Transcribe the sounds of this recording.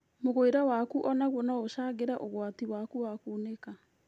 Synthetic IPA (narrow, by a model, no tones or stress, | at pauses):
moɣoeɾawakuʔɔnaɣwɔnaoʃaːɣeɾaʔoɣwatiwakuwakuːneka